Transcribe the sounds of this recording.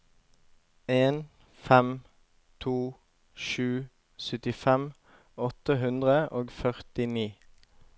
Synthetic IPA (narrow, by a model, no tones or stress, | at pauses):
eːn | fɛm | t̪ʰuː | ʃʉː | sœt̪ɪfɛm | ɔt̪əɦʉnd̪ʁəʔoːɡfœʁt̪ɪniː